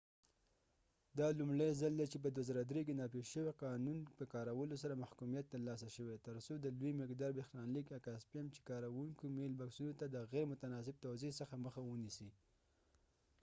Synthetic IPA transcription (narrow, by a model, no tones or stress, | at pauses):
d̪ɑlumɽajzald̪at͡ʃep̬əd̪wazɑɾad̪ɾek̬enɑpeʃəweqɑnunpəkɑɾawəlosaɾamahkumijat̪ːəɾlɑs̬aʃəwet̪əɾsod̪əluimɪqd̪ɑɾbexnɑnlikakaspjamt͡ʃe̥kɑɾawuŋkomelbaksunot̪ad̪əɣeɾemʊt̪anɑs̬ɪb̚t̪awzesəxaməxawənisi